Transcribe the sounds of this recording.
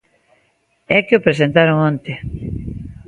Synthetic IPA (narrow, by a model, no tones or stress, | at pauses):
ɛkeopɾes̬ent̪aɾoŋont̪e